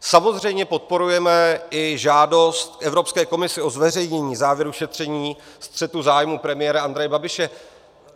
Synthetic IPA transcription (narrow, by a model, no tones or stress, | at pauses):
samo̞zr̝ɛjmɲɛpo̞t̪̚po̞ɾujɛmɛʔɪʒaːdo̞st̪̚kʔɛvɾo̞pskɛːko̞mɪsɪo̞zvɛrɛjɲɛɲiːzaːvjɛɾuʃɛt̪r̝̥ɛɲiː | st̪r̝̥ɛt̪uzaːjmuːpɾɛmɪjɛːɾaand̪ɾɛjɛbabɪʃɛ